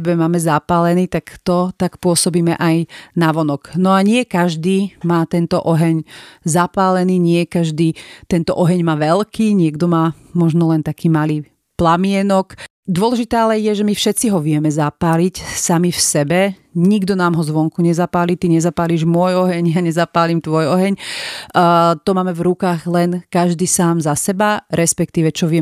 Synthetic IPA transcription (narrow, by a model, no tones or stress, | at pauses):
bɛmaːmɛzapaːlɛniːt̪akt̪ɔt̪akpʊɔsɔbiːmɛ̰ʔajnaʋɔnɔknɔaɲɪɛkaʒd̪iːmaːt̪ɛnt̪ɔʔɔɦɛɲzapaːlɛniːɲɪɛkaʒd̪iːt̪ɛnt̪ɔʔɔɦɛɲmaːʋɛlkiːɲɪɛɡd̪ɔmaː | mɔʒnɔlɛnt̪akʰiːmaliː | plamɪɛnɔk | d̪ʊɔlɛʒit̪aːalɛjɛʒɛmifʃɛt̪t͡siɦɔʋɪɛmɛzapaːlicsamifsɛbɛɲiɡd̪ɔnaːmɦɔzʋɔŋkuɲɛzapaːliːt̪iɲɛzapaːliːʒmʊɔjɔɦɛɲjaɲɛzapaːlimt̪ʋɔjɔɦɛɲː | t̪ɔmaːmɛvɾukaːɣlɛnkaʒd̪iːsaːmzasɛbaɾɛspɛkt̪iːʋɛt͡ʃɔʋɪɛ